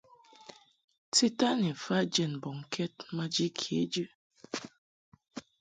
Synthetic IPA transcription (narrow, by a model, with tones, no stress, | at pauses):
ti˦ta˦ni˨fa˦d͡ʒɛ˦˨n˨bɔ˨ŋ̩˨kʰɛ˦t̚ma˦d͡ʒi˦kʰje˨˦d͡ʒʉ˦